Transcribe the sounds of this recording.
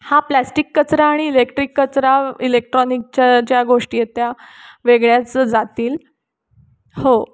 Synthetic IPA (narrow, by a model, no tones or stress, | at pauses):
haplæsʈikːət͡sɾaːɽ̃iːlekʈɾikːət͡sɾailek̚ʈɾɔnik̚t͡ɕad͡ʑjaɡoʂʈiːjet̪jaʋeɡɭjat͡səd͡zat̪iːl | ho